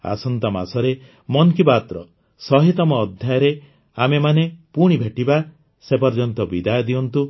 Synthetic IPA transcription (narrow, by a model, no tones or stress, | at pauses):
a̰sɔnt̪ɔma̰sɔɾe | mɔnkipat̪ɾɔ | sɔɦit̪ɔmɔːd̪ʱjajɔɾe | amemanepuɽ̃ibʱeʈiba | sepɔɾd͡ʒɔnt̪ɔbid̪ajɔd̪iɔnt̪u